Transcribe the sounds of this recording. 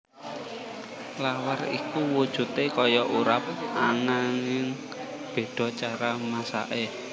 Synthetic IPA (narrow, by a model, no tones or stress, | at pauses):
lawarḭkuwud̥ʒ̥ṳt̪ekɔjɔʔuɾap̚anaŋɪŋ | b̥e̤ɖ̥ɔ̤t͡ʃaɾamasa̰ʔe